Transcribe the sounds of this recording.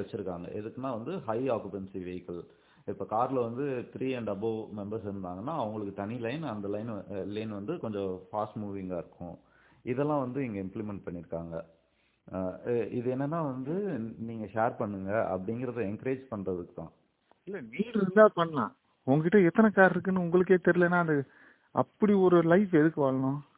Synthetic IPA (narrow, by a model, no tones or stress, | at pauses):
ʋɛt͡ʃːɯɾɯkːaːŋɡɐ̰ʔɛðɯkːɯnːãːʋɐnd̪ɯɦɐɪaːkjɯpɛnsiʋejkːɐl | ɪpːoːkaːɾlɐʋɐnd̪ɯt̪ɾiːɛɳɖɐbomɛmbɐɾsɪɾɯnd̪aːŋɡɐnːaːɐʋɐŋɡɐɭɯkːɯt̪ɐnilɐɪnɐnd̪ɐlɐɪnlɐɪnʋɐnd̪ɯkɔɲd͡ʒɔ̃faːsʈmuːʋɪŋɡaːɪɾɯkʰːʊ̰̃ | ɪðɛlːãːʋɐnd̪ɯɪŋɡɐɪmplɪmɛɳʈ̚pɐɳːɪɾɯkːaːŋɡɐ | ɪðɯɛnːɛnːaːʋɐnd̪ɯniːŋɡɐʃeːɾpɐɳːɯŋɡɐʔɐ̰pːɐɽɪŋɡɪɾɐðɯɛŋkɐɾeːd͡ʒpɐɳrɐðɯkːɯt̪ãː | ɪlːɐniːɾɪɾɯnd̪aːpɐɳːɐlã̰ː | ʊŋɡɐkɪʈːɐɛt̪ːɐnɐkaːɾɪɾɯk̬ːɯnːɯʊŋɡɐɭɯk̬ːeːt̪ɛɾɪlẽːnːaːɐðɯ | ɐpːɐɽiɔɾɯlɐɪfɛðɯkːɯʋaːɭɐnʊ̃ː